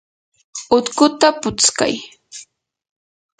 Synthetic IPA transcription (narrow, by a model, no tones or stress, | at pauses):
ʊt̪kʊt̪apʊt͡ska̰j